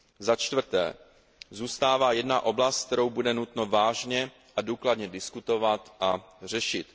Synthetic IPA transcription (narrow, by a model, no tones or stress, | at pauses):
zat͡ʃt̪vr̩t̪ɛ̰ː | zuːst̪aːvaːjɛdnaʔo̞blast̪k̚t̪ɛɾo̞wbudɛnut̪no̞vaːʒɲɛ | ʔaduːkladɲɛdɪskut̪o̞vat̪ʔar̝ɛʃɪt̪